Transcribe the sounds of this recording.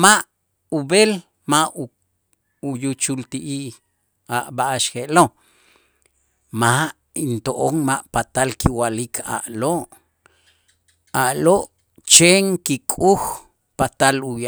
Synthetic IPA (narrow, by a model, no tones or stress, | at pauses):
maʔ | ubel | mau | ujut͡ʃult̪iʔi | aʔbaʔaʃxeʔlo | maʔ | int̪oʔoŋmaʔpat̪alkiwalikʰa̰ʔloʔ | aʔloʔ | t͡ʃeŋkikʼux | pat̪aluja